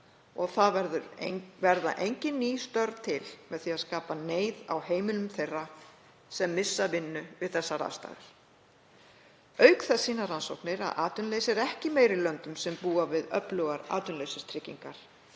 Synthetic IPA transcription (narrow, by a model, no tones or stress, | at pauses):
ɔɣθaðvɛɾðʏɾvɛɾða̰ʔejɲcɪnːiːst̪œɾðt̪ʰɪlmɛðθiaðskaːpaneːjðawheːjmɪlʏmθejra | sɛmːɪsːavɪnːʏvɪðθɛsːaɾa̰st̪a̰ːɣɪɾ̥ | œɥkθɛsːiːnaɾranso̰whknɪɾa̰ðʔa̰ːt̪ʏnleːjsɛɾɛhcɪmeːjɾɪlœnt̪ʏmsɛmpuːavɪðœplœɣaɾa̰ːt̪ʏnlejsɪst̪ʰɾɪcːiŋkaɾ̥